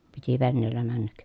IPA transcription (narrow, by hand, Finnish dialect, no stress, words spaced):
piti ʋenːeːlːæ mænːæk